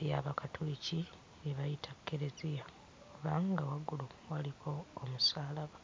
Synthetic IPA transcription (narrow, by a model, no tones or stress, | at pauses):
jaβakatʰwiːci | niβajitʰakːeɾe̞zija | kuβaːŋɡawaɡuluwalikʰo̞ːmusaːlaβa